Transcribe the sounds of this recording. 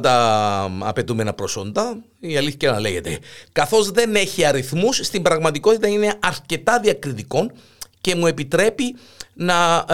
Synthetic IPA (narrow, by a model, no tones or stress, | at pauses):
t̪ɐ | ɐ̰pe̞t̪ume̞nɐpɾoso̞nd̪ɐ | iɐliθçɐnɐle̞ʝe̞t̪ḛkɐθo̞zðe̞ne̞çiɐɾiθmusːt̪imbɾɐɣmɐt̪iko̞t̪it̪ɐine̞ɐɾce̞t̪ɐðiɐkɾit̪iko̞n | ce̞mue̞pit̪ɾe̞pi | nɐ